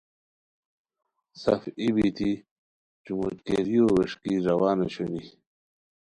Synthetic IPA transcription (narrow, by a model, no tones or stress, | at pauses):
sɐfibit̪ʰi | t͡ɕumut̪keɾijoweʂkiɾɐwaːneɕoni